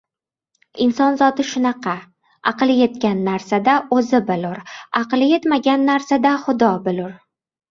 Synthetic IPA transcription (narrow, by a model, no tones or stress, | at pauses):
ɪnsɒnzɒt̪ɪʃʊnɑqʰɑ | ɑqɨlˠje̞t̪kʲanːaɾsad̪aɵzɪbɪlʊɾɑqɨlˠje̞t̪maɡʲanːaɾsad̪aχʊd̪ɒbɪlʊɾ